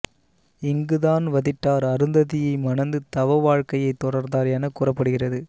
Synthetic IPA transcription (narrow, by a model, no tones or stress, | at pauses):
ɪŋɡɯðaːnʋɐðɪʈːaːɾɐɾɯnd̪ɐðɪjɐɪmɐnɐnd̪ɯt̪ɐʋɐʋaːɻkɐjɐɪt̪ːɔɽɐɾnd̪aːɾaːnɐkuːrɐpːɐɽɯɣɪrɐðɯ